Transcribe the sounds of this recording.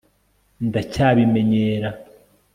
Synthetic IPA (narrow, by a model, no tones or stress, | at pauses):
ndacaːβime̞ɲeːɾa